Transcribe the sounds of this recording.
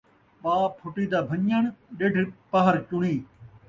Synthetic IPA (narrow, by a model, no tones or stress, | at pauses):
ɓaːpʰʊʈiːd̪aːbʱəɲəɳɗeɖʱpəɦəɾt͡ʃʊɳiː